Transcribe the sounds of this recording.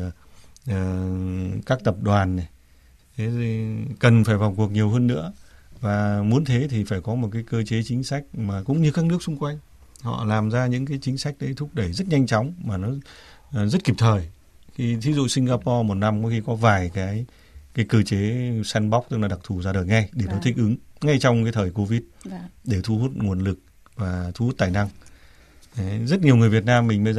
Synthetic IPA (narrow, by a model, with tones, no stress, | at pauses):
əː˨˩ | kaː˦˥k̚t̪ə˨˩p̚ɗwaː˨˩nːe˨˩ | t̪ʰe˨˦˨kə˨˩nfaː˧˩jva˨˩wŋ͡mku˨˩ək̚ɲi˨˩əwɦəː˧nːɨ̰˧˥əvaː˨˩mu˨˦ənt̪ʰe˨˦t̪ʰi˨˩faː˧˩jkɔ˨˦mo˨˩t̚kaː˨˦jkəː˧t͡ɕe˨˦t͡ɕï˨˦ŋ̟sa˦˥jk̟̚maː˨˩kʊ̰˧˥ŋ͡mɲɨ˧kaː˦˥k̚nɨ˦˥k̚sʊ˧ŋ͡mkwa˧jŋ̟ | hɔ̰˧˨laː˨˩mzaː˧ɲɨ̰˧˥ŋkaː˨˦jt͡ɕï˨˦ŋ̟sa˦˥jk̟̚ɗə˨˦jt̪ʰʊ˦˥k͡p̚ɗə˧˩jzə˦˥t̚ɲa˧jŋ̟t͡ɕɔ˨˦wŋ͡mmaː˨˩nɔ˨˦˨zə˦˥t̚ki˨˩p̚t̪ʰəː˨˩j | xi˧t̪ʰi˨˦zṵ˧˨sï˧ŋ̟ɣaː˧pɔ˧mo˨˩t̚na˧mkɔ˨˦xi˧kɔ˨˦vaː˨˩jkaː˨˦j | kaː˨˦jkəː˧t͡ɕe˨˦sɛ˧nɓɔ˦˥wk͡p̚t̪ɨ˦˥k̚la˨˩ɗa˨˩t̪ʰu˨˩zaː˧ɗəː˨˩jŋa˧jɗe˧˩nɔ˨˦t̪ʰï̟˧˩ʔɨ˨˦ŋŋa˧jt͡ɕwŋ͡mkaː˨˦jt̪ʰəː˨˩jko˧vi˦˥t̚ɗe˧˩t̪ʰu˧hu˦˥t̚ŋu˨˩ənlɨ˨˩k̚ | vaː˨˩t̪ʰu˧˦hu˦˥t̪aː˨˩jna˧ŋ˨˦ | zə˦˥t̚ɲi˨˩əwŋɨ˨˩əjvi˨˩ət̬̚naː˧mːï˨˩ŋ̟ɓə˧j